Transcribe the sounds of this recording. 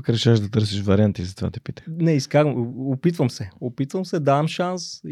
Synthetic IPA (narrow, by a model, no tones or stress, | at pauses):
kɾɛʃaʒd̪ɐt̪ɤɾsiʃvɐɾiant̪izɐt̪va̰t̪ɛ̥pit̪ə̥nɛiskaɡopit̪vəmsɛopit̪vəmsɛd̪avɐmʃans